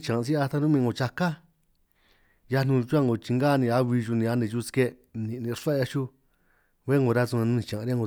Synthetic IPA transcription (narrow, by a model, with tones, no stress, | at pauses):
t͡ʃã˨˧s̬i˦a˧t̪a˧˦nũ˦mĩː˧ɡo˧˨t͡ʃa˧ka˦ | ja˧nũ˧t͡ʃu˦a˦˧ŋo˨t͡ʃi˧ŋɡaː˦˧nĩ˧a˧βi˧ʒu˧nĩ˧a˧nẽ˧ʒu˦˧ske˦ | nĩ˨˧nĩ˧ʂa˦˧ja˧ʃu˦ | βe˦ŋɡo˧ɾa˦su˧nã˧nũ˧nĩ˧t͡ʃã˨˧ɾja˦˧ŋɡo˧